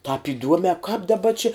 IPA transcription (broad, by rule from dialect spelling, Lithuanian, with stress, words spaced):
tɑːp ɪˈduɔmʲɛ kɑːp dɐˈbɐ t͡ʃʲɪ